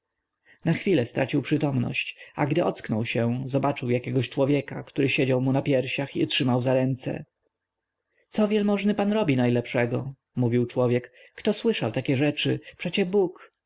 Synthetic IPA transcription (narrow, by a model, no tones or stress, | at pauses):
naxfʲilɛst̪ɾʔa̰t͡ɕiwpʂɘt̪ɔmnɔ̰ɕt͡ɕa̰ɡd̪ɘʔɔt̪sknɔwɕɛzɔbat͡ʂɘwjakʲɛɡɔɕt͡ʂwɔvʲjɛkakt̪uɾɘɕed͡ʑawmunapʲjɛɾɕaxḭɔtʂɘmawzaɾɛnt̪sɛ̰ | t̪sɔvʲjɛlmɔʐnɘpanɾɔbʲinajlɛpʂɛɡɔ | muvʲiwt͡ʂwɔvʲjɛkː | t̪ɔswɘʂawt̪akʲɛʐɛt͡ʂɘpʂɛt͡ɕɛbuk